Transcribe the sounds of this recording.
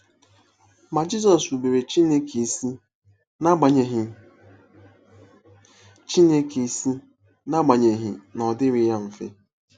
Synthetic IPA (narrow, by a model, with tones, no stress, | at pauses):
ma˨d͡ʒi˦zɔ˨su˨be˨ɾe˨t͡ʃi˦ne˦ki˨˦ | na˦a˨ɦ | t͡ʃi˦ne˦ki˨si˦ | na˦ɡ͡ba˨ɲe˨ɦɪ˨nɔ˨dɪ˦ɾɪ˨ja˦m̩˨fḛ˦